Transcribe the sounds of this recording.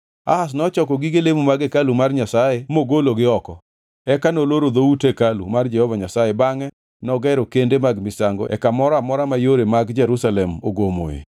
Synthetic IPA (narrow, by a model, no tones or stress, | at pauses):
a̰has̬nɔt͡ʃɔkɔɡiɡelemumaɡekalumarɲasajemoɡoloɡɪɔkɔ | ɛkanoloɾod̪outekalṵmard͡ʒɛhɔvaɲasajebaŋɛ | nɔɡɛɾokendemaɡmɪsaŋɡo̰ʔɛ̰kamɔɾamɔɾamajoɾemaɡd͡ʒɛɾusalɛmoɡomo̰ḛ